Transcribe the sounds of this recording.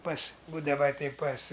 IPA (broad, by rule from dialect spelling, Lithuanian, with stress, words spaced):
pɐs ˈbuːdɐʋɐ tʲɛɪ pɐs